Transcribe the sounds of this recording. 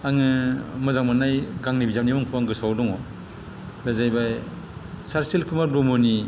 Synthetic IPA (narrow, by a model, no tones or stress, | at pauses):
aŋɯmɯzaŋmanajɡaŋnibizanibɔŋpʰuwaŋɡɯsawdɔŋɔ | bazajbaj | saɾselkʰɯmaɾbɔmɔni